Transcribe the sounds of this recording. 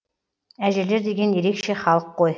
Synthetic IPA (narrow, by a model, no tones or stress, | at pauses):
æʒɘ̆ɾleɾd̪eɡʲenjeɾekʃeχɑlˠqːoj